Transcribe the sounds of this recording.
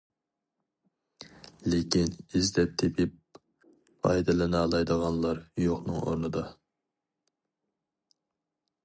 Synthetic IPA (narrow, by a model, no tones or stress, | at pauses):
lekʲinizd̪ɛp̚t̪ʰepʰip | pʰɑ̰jd̪ɨlˠɨnɑːlˠɑjd̪əʁɑnlˠɑɾjoqnɨ̰ŋo̰ɾnɨd̪ɑ